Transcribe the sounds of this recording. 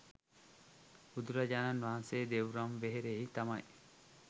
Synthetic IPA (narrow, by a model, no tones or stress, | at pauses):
ud̪uɾɐd͡ʒananʋaɦɐnseːd̪ewɾɐmʋeɦeɾeit̪ɐmɐj